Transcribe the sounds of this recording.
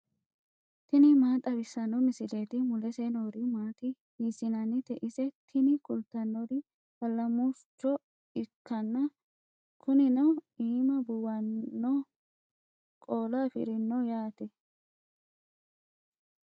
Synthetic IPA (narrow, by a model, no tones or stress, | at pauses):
t̪ɪnɪmaːt̪ʼɐbɪsːɐnɔmɪsɪlet̪ɪmʊlɛsenoːɾɪmaːt̪ɪ | hiːsɪnɐnɪt̪ɛʔɪsɛt̪ʰɪnɪkʊlt̪ːɐnːɔɾɪ | hɐlːɐmust͡ʃːɔ | ɪkːɐnːɐ | kʰʊnɪnɐwiːmɐbʊwɐnːɔ | kʼoːlaːfɪ̰ɾɪnːɔjaːt̪ɛ